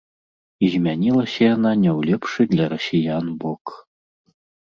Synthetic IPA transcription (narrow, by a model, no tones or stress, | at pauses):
izʲmʲanʲilˠɐsʲɐjananʲɛwlʲɛpʂɨd̪lʲɐɾɐsʲijanbɔk